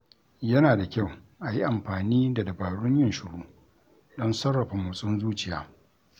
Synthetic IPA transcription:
jɐ˦naː˨da˨kʲa˦˨w | ʔa˨ji˦ʔa˨mɸaː˨niː˦da˨dɐ˨baː˨ɽʊ˦ɲjɪ˦nʃʊ˨ɽuː˦ | ɗɔ˦nsɐ˦rːɐ˨ɸa˨mʊ˨sʼɪ˦nzuː˦t͡ʃɪ˨ja̰ː˨

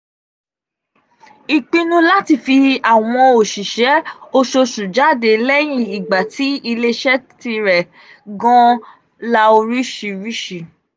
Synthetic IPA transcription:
i˨k͡pĩ˧nũ˧la˦ti˦˨fi˧a˨w̃ɔ̃˧o˨ʃi˨ʃɛ˨˦o˧ʃo˧ʃu˨d͡ʒa˨˦˨de˨˧lɛ˦j̃ĩ˦i˨ɡ͡ba˨tʰi˨˦i˧le˦ʃɛ˦ti˧ɾɛ˨ | ɡɔ̃˦ | la˧o˧ɾi˦ʃi˨˧ɾi˦ʃi˨

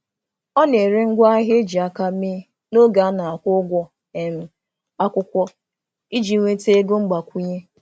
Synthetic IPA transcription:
ɔ˦ne˨ɾe˦ŋ̩˦ɡʷa˦a˦ɦe˦d͡ʒi˨a˦ka˦me˦ | no˦ɡa˨a˦na˨a˨kʷʊ˦ɡʷɔ˦ | e˨m̩˨ | a˦kʷʊ˦kʷɔ˦ | i˦d͡ʒi˨˦ŋʷe˦te˦e˦ɡo˦ŋ͡m̩˦ɡ͡ba˨kʷu˦ɲe˦

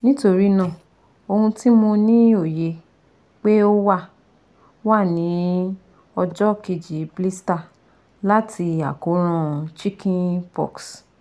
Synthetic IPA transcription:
nĩ˦to˧ɾi˦nã˦˨ | o˧hũ˧ti˦mõ˧nĩ˨˦o˦˨je˨˧ | k͡pe˦o˦wa˦˨ | wa˦˨nĩ˨˦ | ɔ˧d͡ʒɔ˦ke˧d͡ʒi˨bli˦sta˨ | la˦tʰi˧a˨ko˨˦ɾ̃ã˦t͡ʃi˦kʰĩ˦pɔ̰˨ks

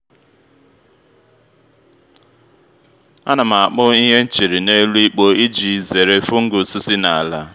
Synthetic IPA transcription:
a˦na˨ma˨k͡pʊ˦i˦ɦe˦n̩˦t͡ʃi˨ɾi˨ne˦lu˦i˦k͡po˦i˦d͡ʒi˨ze˨ɾe˦fʊ˦ŋ̩˦ɡʊ˨si˦si˦na˨a˨la˦

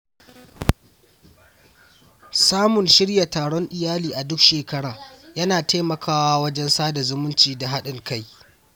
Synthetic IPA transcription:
saː˦mʊ˨nʃɪ˦ɽja˨taː˨ɽɔ˦ŋʔɪ˨jaː˦liː˨ʔa˨dʊ˦kʃeː˨kɐ˦ɽaː˨jɐ˦naː˨ta˦mɐ˨kʰaː˦waː˦wɐ˦d͡ʒɛ˦nsaː˦da˨zʊ˦mʊ˦nt͡ʃiː˨da˨ɦa˦ɗɪ˨ŋka˦j

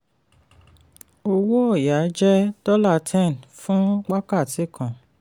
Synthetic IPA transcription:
o˧wo˦ɔ˦˨ja˨˦d͡ʒɛ˦dɔ˦la˦˨tʰɛ̃˦˨n˨fũ˦ɡ͡ba˦ka˦˨ti˨˦˨kʰã˨

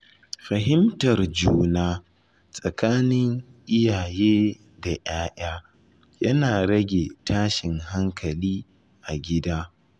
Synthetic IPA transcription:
ɸɐ˨ɦɪ˦mtɐ˨rd͡ʒuː˦naː˦ | sʼɐ˨kaː˦nɪ˦ŋʔɪ˦jaː˨jeː˦ | da˨j̰aː˦ʔaː˦ | jɐ˦naː˨ɽɐ˦ɡʲeː˨tʰaː˦ʃɪ˨ŋɦa˦ŋkʰɐ˨liː˦ | ʔa˨ɡʲɪ˦daː˦

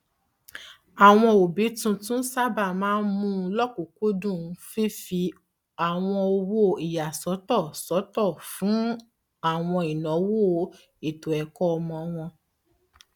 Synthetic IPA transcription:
a˨w̃ɔ̃˧o˨bi˨˦tũ˧tũ˦sa˦ba˦˨mãː˦n̩˦mũ˦˧lɔ˦ko˨ko˦dũ˦˨˧fe˦fi˧ | a˨w̃ɔ̃˧o˧wo˦˨i˨ja˨sɔ˨˦tɔ˦˨sɔ˨˦tɔ˦˨fũ˨˦ | a˦˨w̃ɔ̃˧i˨nɔ̃˨˦wo˦ | e˨to˨ɛ˨kɔ˦ɔ˧mɔ̃˧w̃ɔ̃˧

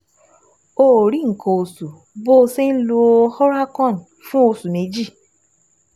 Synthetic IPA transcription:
o˨ɾi˦ŋ̩˨kɔ˨o˨su˨ | bo˦˧se˦n̩˦lo˧˦hɔ˦ɾa˦kɔ̃˦˨n˨ | fũ˦o˧su˨me˨˦d͡ʒi˦˨

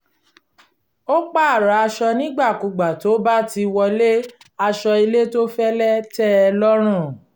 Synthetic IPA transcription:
o˦k͡pa˦˨ɾa˨˦a˧ʃɔ˧nĩ˦ɡ͡ba˦˨ku˨ɡ͡ba˨to˨˦ba˦ti˧wɔ˧le˦ | a˧ʃɔ˧i˧le˦to˦fɛ˦lɛ˦tɛ˦˧lɔ˦ɾ̃ũ˦˨

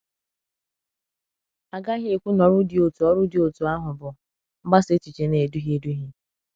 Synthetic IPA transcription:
a˨ɡa˦ɦje˦˨kʷu˦nɔ˨ɾʊ˦dɪ˨o˨tu˨ɔ˦ɾʊ˦dɪ˨o˨tu˨a˦ɦʊ˨bʊ˨ | m̩˦ɡ͡ba˦se˦t͡ʃi˨t͡ʃe˨ne˨du˦ɦi˦e˨˦du˦ɦi˦

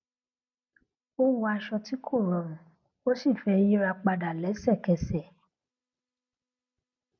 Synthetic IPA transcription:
o˦wu˧a˧ʃɔ˧ti˨˦kʰo˦˨ɾɔ˨ɾũ˨ | o˦si˦˨fɛ˧˦ji˦ɾa˧k͡pa˧da˨lɛ˨˦sɛ˦˨kɛ˧˨sɛ˨

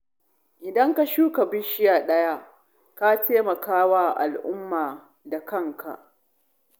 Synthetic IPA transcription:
ʔɪ˨dɐ˦ŋka˨ʃuː˦ka˨bɪ˦ʃɪ˦jaː˨ɗɐ˦ja˦ | ka˦teː˦mɐ˨kaː˦waː˦˨ʔa̰˨lʔʊ˦mːaː˨ | da˨kɐ˦˨ŋkʰa̰˨ʔ

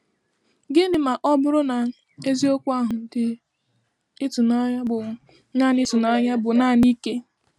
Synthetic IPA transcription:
ɡɪ˦nɪ˨ma˨ʔɔ˦bʊ˦ɾʊ˦na˨ | e˦zi˦o˦kʷa˦ɦʊ˨n̩˨dɪ˦ | ɪ˦tu˨na˦ɲa˦bʊ˨ | na˦˨n˦ɪ˦tu˨na˦ɲa˦bʊ˨na˦˨ni˦ke˦

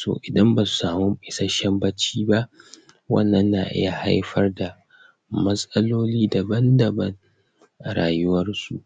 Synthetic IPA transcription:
so̰ː˨ʔɪ˨dɐ˦mbaː˨su̥˨saː˨mu˦ɪ˨sɐ˦ʃɐ˦mbɐ˦t͡ʃiː˦ba˦ʔ | wɐ̰˦nːɐ˦nːaː˨ʔɪ̰˦ja˨ha̰˦jɸɐ˦rda˨ | mɐ˦sʼɐ˦loː˦liː˦da˨bɐ˦ndɐ˨bɐ˦ŋ | ʔa˨ɾaː˨jʊ˦wɐ˦rsu˨ʔ

